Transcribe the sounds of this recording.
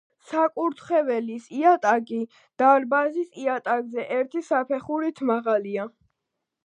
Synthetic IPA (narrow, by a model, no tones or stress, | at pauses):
sakʼuɾt̪ʰχɛvɛlisiat̪ʼaɡi | d̪̥aɾbazisiat̪ʼaɡzɛʔɛɾt̪ʰisapʰɛχuɾit̪ʰmaʁalia